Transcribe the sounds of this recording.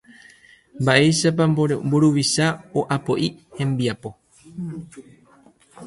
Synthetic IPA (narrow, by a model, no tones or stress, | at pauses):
mbaʔe̞jʃap̬ambuɾuʋiʃaoʔapo̞ʔihẽ̞mbiapo̞